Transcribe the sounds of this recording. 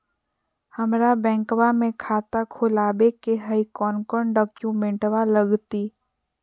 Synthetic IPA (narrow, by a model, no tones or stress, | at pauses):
hɐmɾabɛ̃ːŋkwamẽkʰaːt̪akʰʊːlaːbekeɦəikɔːnkɔɳɖɔːkjumẽɳʈwaləɡt̪iː